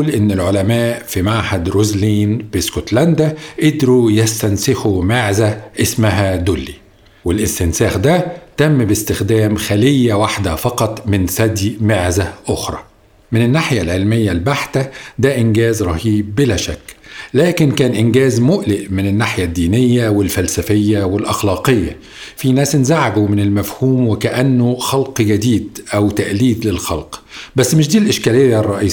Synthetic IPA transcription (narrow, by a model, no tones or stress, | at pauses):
lʔɪnːɪlʕolæmæːʔfimaʕħad̪ɾozliːnbɪskot̪lænd̪æʔed̪ɾujæst̪ænsɪxumeʕzæʔɪsmæɦæd̪ʊlːḭ | wɪlʔɪst̪ɪnsæːxd̪æt̪æmːbɪst̪ɪxd̪æːmxælɪjːæwaħd̪æfɑqɑt̪ˤmɪnsæd̪jmeʕzæʔʊxɾˤɑ̰ː | mɪnɪnːaħjælʕelmɪjːælbaħt̪æd̪æʔɪnɡæːzɾˤɑhiːb̚ːɪlæːʃækːlæːkɪnkæːnʔɪnɡæːzmʊʔlɪʔmɪnɪnːaħjæd̪ːiːnɪjːæwɪlfælsæfɪjːæwɪlʔɑxlɑːqɪjːa̰ | finæːsnzaʕabumɪnɪlmæfhuːmwɪkæʔænːʊxɑlqɡæd̪iːd̪ʔæwt̪æʔliːd̪lɪlxɑlqbæsːmɪʃ̬d̪iːlʔɪʃkæːlɪjːarˤːɑʔiːs